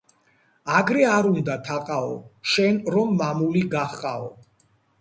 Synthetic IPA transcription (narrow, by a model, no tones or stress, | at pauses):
aɡɾɛaɾund̪at̪ʰaqʼaɔʃɛnɾɔmːamuliɡaχqʼaɔ